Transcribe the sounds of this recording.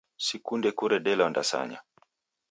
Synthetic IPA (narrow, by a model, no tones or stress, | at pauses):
sikundɛkuɾɛɗɛlɔndasa̰ɲa̰